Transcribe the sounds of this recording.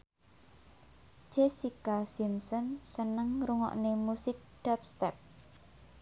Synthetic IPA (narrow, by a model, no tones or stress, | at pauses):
d͡ʒ̥esikasimsɔnsənəŋruŋɔ̰ʔnemusɪk̚d̥ɛp̚st̪ɛp̚